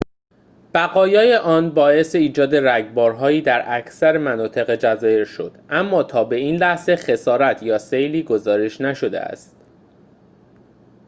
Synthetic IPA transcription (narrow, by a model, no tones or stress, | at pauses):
b̥æɣɒːjɒːjeʔɒːnbɒːe̞seiːd͡ʒɒːd̪e̞ɾæɡbɒːɾɦɒːjiːd̪æɾʔæcʰsæɾemænɒːt̪ʰe̞ɣe̞d͡ʒæzɒːje̞ɾʃo̞̰d̪̥ʔæmːɒːt̪ʰɒːbe̞iːnlæhze̞xe̞sɒːɾæt̪ʰjɒːsejliːɡo̞zɒːɾe̞ʃnæʃo̞d̪ḛʔæ̰st̪